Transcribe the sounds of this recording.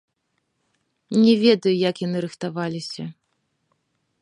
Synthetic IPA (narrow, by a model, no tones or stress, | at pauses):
nʲɛvʲɛd̪ɐjujɐkjanɨɾɨxt̪avalʲisʲɐ